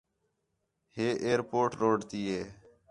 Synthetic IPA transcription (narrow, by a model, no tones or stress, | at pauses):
heːʔeːɾpoːʈɾoːɖt̪iːɦeː